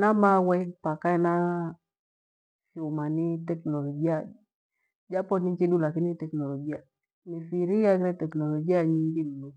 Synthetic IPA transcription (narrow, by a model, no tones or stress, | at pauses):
namawɛpakaina | fiumanitɛknɔlɔɡia | d͡ʒapɔnit͡ʃidulakinitɛknɔlɔɡia | mifiɾijaɡɾɛtɛknɔlɔɡiaɲiŋɡinunu